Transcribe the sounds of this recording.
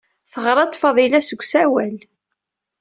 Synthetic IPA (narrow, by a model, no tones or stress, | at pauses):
θəʁɾˤɑt̪ˤːfɑðˤilæsəɡʷːsæwæl